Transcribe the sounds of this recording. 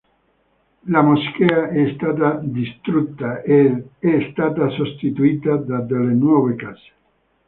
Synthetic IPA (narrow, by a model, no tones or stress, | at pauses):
lamoskeaʔɛst̪at̪ad̪ist̪ɾut̪ːaeɛst̪at̪asost̪it̪uit̪ad̪ad̪elenwɔvekase̥